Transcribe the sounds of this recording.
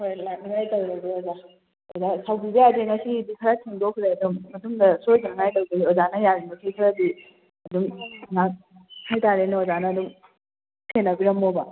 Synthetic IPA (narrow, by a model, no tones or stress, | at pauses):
hojlak̚niŋajtɐwɾɐɡioza | ozasawbibɐjadeŋɐsibikʰɐɾatʰiŋdokʰɾeɐdumːɐtumdɐsojzanŋajtɐwdiɡiozanɐjaɾimɐkʰekʰɐɾadi | ɐdumnak̚ | hajtaɾenoozanɐːdum | tʰenːɐbiɾɐmːobɐ